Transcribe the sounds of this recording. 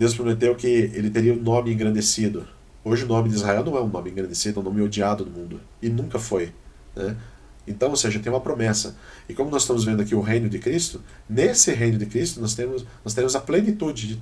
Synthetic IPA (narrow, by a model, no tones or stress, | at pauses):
d̪̥ewspɾomet̪ewkɪelɪt̪eɾiɐũnõmɪẽŋɡɾɐ̃nd̪esid̪ʊ | oʒɪʊnõmɪd̪ɪizhaɛwnɐ̃w̃ɛũnõmɪẽŋɡɾɐ̃nd̪esid̪ʊɛ̃w̃nõmɪod͡ʒiad̪ʊd̪ʊmũnd̪ʊ | ɪnũŋkɐfojnɛ | ẽnt̪ɐ̃w̃owseʒɐt̪ẽj̃ũmɐpɾomɛsɐ̰ | ɪkõmʊnɔz̥ɪst̪ɐ̃mʊzvẽd̪ʊakiʊɦẽj̃nʊd̪ɪkɾist̪ʊ | nesɪɦẽjnʊd̪ɪkɾist̪ʊnɔst̪ẽmʊsnɔst̪eɾẽmʊzɐplenit̪ud͡ʒɪd͡ʒɪ